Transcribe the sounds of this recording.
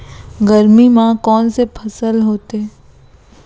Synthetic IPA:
ɡəɾmimãkɔːnsepʰɐsəlɦoːt̪eː

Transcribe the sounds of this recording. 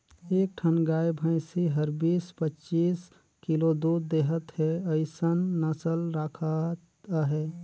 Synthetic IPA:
eːk̚ʈʰənɡajbʱə̃ɪ̃siɦəɾbiːspətːt͡ʃiːs | kilod̪ud̪̚d̪eɦət̪ɦɛəɪsənːəsəlɾakʰat̪ | ɦɛ

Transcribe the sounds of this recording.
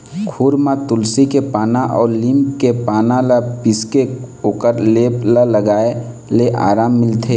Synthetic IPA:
kʰuːɾmãt̪ʊlsikepaːnaʔɔːɾlimpkepaːnalapɪskeoːkəɾleːplaləɡaːe | leʔa̰ːɾaːmːɪlt̪ʰe

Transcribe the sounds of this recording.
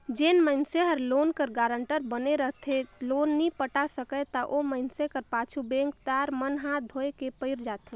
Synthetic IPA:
d͡ʒeːnməɪnseɦəɾloːnkəɾɡaːɾəɳʈəɾbəneɾəɦt̪ʰeloːnːipəʈasəkət̪əʔoməɪnsekəɾpaːt͡ʃʰubẽŋk̚t̪aːɾmənɦãd̪ʱoekepəɪɾd͡ʒaːt̪ɦe

